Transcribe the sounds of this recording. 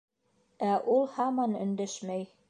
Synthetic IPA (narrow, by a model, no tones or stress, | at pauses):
æʔulˠhɑmɑnɵ̰̆nd̪æʃmæj